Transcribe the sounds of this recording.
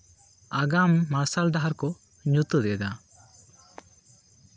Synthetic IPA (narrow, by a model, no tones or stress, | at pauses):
aɡamːasald̪aɦaɾkɔ | ɲut̪ud̪ɛd̪a